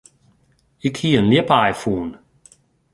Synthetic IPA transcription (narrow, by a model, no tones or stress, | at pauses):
ikʰiənlipaːjfuːn